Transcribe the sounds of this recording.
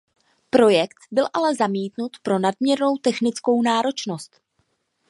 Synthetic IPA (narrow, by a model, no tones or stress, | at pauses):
pɾo̞jɛkt̪bɪlʔalɛzamiːt̪nut̪pɾo̞nadmɲɛɾno̞wt̪ɛxnɪt͡sko̞wnaːɾo̞t͡ʃno̞st̪